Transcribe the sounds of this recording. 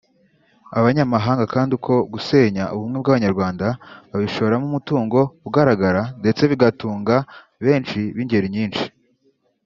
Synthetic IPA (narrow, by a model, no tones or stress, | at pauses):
aβaɲamaɦaːŋɡakaːndikʰo̞ɡuse̞ːɲaʔuβumŋe̞bɡaβaɲaɾɡwaːndaβaβiʃo̞βo̞ɾamumutuːŋɡo̞uɡaɾaɡaɾande̞t͡se̞βiɡatuːŋɡa | βe̞ːnt͡ʃiβiɲɟe̞ɾiɲiːnʃi̥